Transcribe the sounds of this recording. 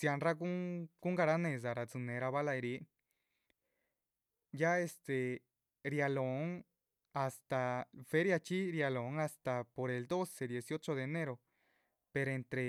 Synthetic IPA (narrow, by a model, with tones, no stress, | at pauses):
sja˧nra˦ku˦ŋku˦ŋɡa˧ɾa˦nẽ˧˨z̬a˨ɾa˨t͡sɨ˧nẽ˧ɾa˧βa˦la˧e˧ɾi˧˦ | ja˦e˧st̪e˨ | ɾja˧lo˨ŋ | a˧˨st̪a˨fe˦ɾja˧t͡ʃi˦ɾja˧lo˨ŋa˧st̪a˨po˨ɾe˨ld̪o˦se˨d̪je˨sjo˦t͡ʃo˧ðeː˧ne˦ɾo˨ | pe˧ɾoe˧nt̪ɾe˧